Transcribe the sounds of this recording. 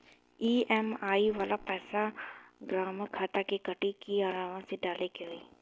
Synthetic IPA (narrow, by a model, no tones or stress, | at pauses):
iːɛmaːiʋaːlapɛːsaɡɾaːmkʰaːt̪akekəʈikiaːɾaːʋãseɖaːlekeɦoiː